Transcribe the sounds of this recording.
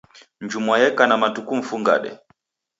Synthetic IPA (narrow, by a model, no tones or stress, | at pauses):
ɲd͡ʒumwajɛkanamatukum̩fuŋɡa̰ɗɛ̰